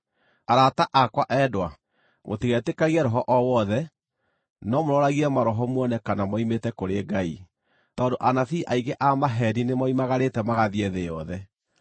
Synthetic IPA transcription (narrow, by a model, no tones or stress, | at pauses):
aɾataʔakwaʔɛdwa | mʔo̰tiɣɛtekaɣiɛɾɔɦɔʔɔwɔðɛ | nɔmoɾɔɾaɣiɛmaɾɔɦɔmwɔnɛkanamɔimetɛkoɾeɡai | tɔːndoʔanaθiːʔaiɡeʔamaɦɛɾinemaimaɣaɾetɛmaɣaðiɛðejɔðɛ